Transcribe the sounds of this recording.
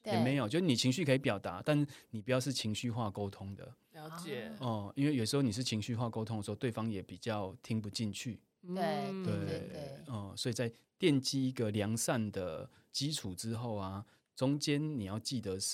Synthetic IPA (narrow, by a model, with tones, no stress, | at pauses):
jɛ˨me˨˥ɪjo˨˩t͡ɕjo˥˧˥ni˨˩t͡ɕʰi˧˥ŋɕy˥˩kʰi˧˦pjɑ˨˩ʊt̪a̰˧˦t̪a˥˧nni˨˩pu˨˩jɑ˥˧ʊʂ̬̩˥˩t͡ɕʰi˧˥ŋɕy˥˧xwa˥˧ko˥ʊt̪ʰʊ˦˥ŋd̪ə̰˨ | jt͡ɕə˨˩i˥nwe˥˩jo˨˩ʂ̬ɻ̩˧xo˥˩ni˨˩ʂɻ̩˥˩t͡ɕʰi˨˧˥ŋɕy˥˧xwa˥˩ko˥ʊt̪ʰo˥˦ŋə˩˧˥t̪we˥˩ɪfɑ˥ŋjɛ˨˩˦pi˨˩t͡ɕjɑ˥˨ʊt̪ʰi˧˥ŋpu˧t͡ɕi˥˧nt͡ɕʰy˥˩ | e˥˩tt̪we˥˨˥ə˥˩swɔ˧˥i˨˩t͡sa˥˩ɪ | t̪jɛ˥˨nt͡ɕi˥i˧˥ɡə˨ljɑ˧˥ŋsa˥˨nd̪ə˩ | t͡ɕi˦ʈ͡ʂʰu˨˩ʈ͡ʂɻ̩˦xo˥˩ʊa˩ | t͡sʊ˦ŋt͡ɕjɛ˦nni˨˩jɑ˥˧ʊt͡ɕi˥˩d̪ə˨